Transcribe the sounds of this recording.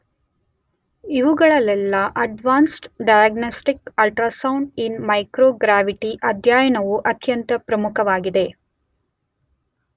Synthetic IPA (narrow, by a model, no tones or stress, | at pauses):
iʋuɡɐɭɐlɛlːɐʔɐɖʋaːnsʈɖɐjɐɡnosʈikɐlʈɾasɐwɳɖinmɐjkɾoːɡɾaːʋiʈiʔɐd̪ʱjaːjɐɳɐʋuʔɐt̪jɐnt̪ɐpɾɐmukʰɐʋaːɡid̪e̞